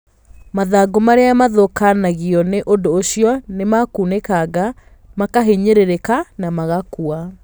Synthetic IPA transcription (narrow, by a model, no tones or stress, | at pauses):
maðaɡomaɾeamaðokanaɣiɔneʔondoːɕiɔnemakuːnekaɡa | makaɦeɲeɾeɾekanamaɣakua